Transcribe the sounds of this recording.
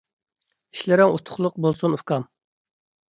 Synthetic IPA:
iʃlɪɾɪŋut̪ʰʊ̥χlˠʊq̚bolˠsunukɑm

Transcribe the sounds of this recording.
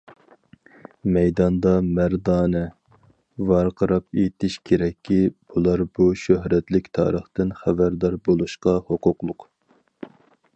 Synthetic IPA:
mɛjd̪ɑnd̪ɑmæɾd̪ɑːnɛ | vɑɾqʰəɾɑpet̪ʰɪʃkʲʰeɾɛkʲːib̥ulˠɑɾbuʃøɦɾɛt̪lɪkʲt̪ʰɑ̰ːɾəχt̪ɪnχæbæɾd̪ɑɾbolˠuʃqɑhoqʊqlˠʊq

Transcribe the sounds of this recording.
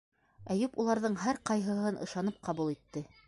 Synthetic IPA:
æjʉpulˠɑɾðɤɴɦæɾqɑjɦɤ̆ɦɤnʔɤ̆ʃɑnɤp̚qʰɑβulˠit̪ːɘ

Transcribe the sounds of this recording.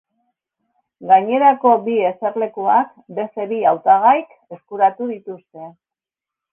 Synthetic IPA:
ɡaɲe̞ɾako̞bie̞se̞ɾle̞kuak | be̞st̪e̞βiawt̪aɣ̞ajk | e̞skuɾat̪uðit̪ust̪e̞

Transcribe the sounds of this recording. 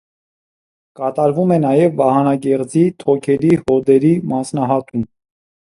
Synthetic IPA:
kɑt̪ɑɾvumɛnɑjɛvːɑhɑnɑkɛʁd͡zit̪ʰɔkʰɛɾihɔd̪ɛɾimɑsnɑɦɑt̪um

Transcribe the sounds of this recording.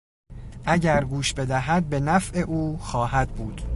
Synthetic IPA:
ʔæɟæɾɡuːʃbe̞d̪æɦæd̪̚be̞næfʔe̞ʔuːxɒːhæd̪̚buːd̪̥

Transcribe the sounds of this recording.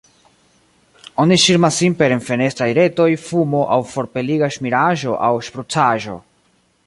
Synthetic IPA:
o̞niʃiɾmasːimpe̞ɾenfe̞ne̞stɾajɾe̞to̞jfumo̞ʔawfo̞ɾpe̞liɡaʃmiɾaʒo̞ʔawʃpɾut͡saʒo̞̰

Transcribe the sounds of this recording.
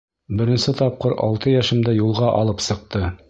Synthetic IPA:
bɘ̆ɾɘ̆nsɘt̪ɒp̚qɤɾɒ̰lˠt̪ɤjæʃɘ̆md̪æjulˠʁɑʔɒ̰lˠɤpsɤ̆q̚t̪ɤ

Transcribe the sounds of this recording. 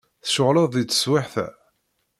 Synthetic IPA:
θʃʊʁlɑðˤðit͡sːə̥swaħθæ̰

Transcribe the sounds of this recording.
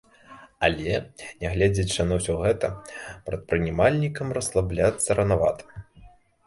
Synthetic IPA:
alʲɛnʲɛɣlʲɛd͡zʲɐt͡ʂɨnɐwsʲɔɣɛt̪ɐpɾɐt̪̚pɾɨnʲɛmalʲnʲikɐmrɐslˠablʲat̪sːɐɾɐnava̰t̪ɐ̥

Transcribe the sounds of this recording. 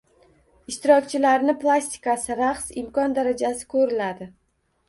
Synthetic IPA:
ɪʃt̪ɪɾɒkʲt͡ʃʰɪlaɾnɪplˠasʲt̪ɪ̥kasɪɾaχsɪmkʰɒnd̪aɾad͡ʒasɪ̥kʰɵɾɪlad̪ɪ

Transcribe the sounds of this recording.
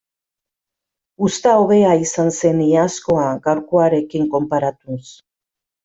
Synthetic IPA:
ust̪aoβe̞aisanse̞niasko̞aɣawɾkoaɾe̞kiŋko̞mpaɾat̪us

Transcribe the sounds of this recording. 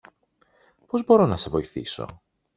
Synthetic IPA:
po̞zbo̞ɾo̞nɐse̞vo̞iθḭso̞̰

